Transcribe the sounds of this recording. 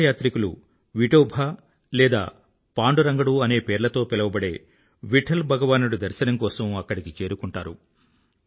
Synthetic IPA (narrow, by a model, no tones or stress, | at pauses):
jaːt̪ɾikulṵ | ʋiʈoːbʱaː | lɛːd̪a̰ː | paːɳɖuɾɐŋɡɐɽuːɐne̞ːpe̞ːɾlɐt̪o̞ːpɛlɐʋɐbɐɽe̞̰ː | ʋiʈʰɐlbʱɐɡɐʋaːnuɽud̪ɐɾʃɐnɐmkɔːsɐmɐkːɐɽikit͡ʃe̞ːɾukuɳʈaːɾu